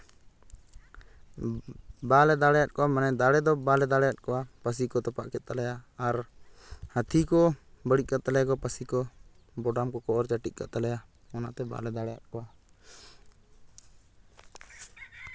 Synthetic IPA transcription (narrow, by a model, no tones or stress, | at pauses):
balɛd̪aɽɛjat̪̚kɔwamanɛd̪aɽɛd̪ɔbalɛd̪aɽɛjat̪̚kɔwapəs̬ikɔt̪ɔpaʔkɛt̪̚t̪alɛjaaɾ | hət̪ʰikɔbəɽit̪̚kat̪ːalɛjakɔpəsikɔ | bɔɖamkɔkɔʔɔɾt͡ʃaʈit̪̚ka̰ʔ̪t̪alɛja | ɔnaʔt̪ɛba̰lɛd̪aɽɛja̰t̪̚kɔwa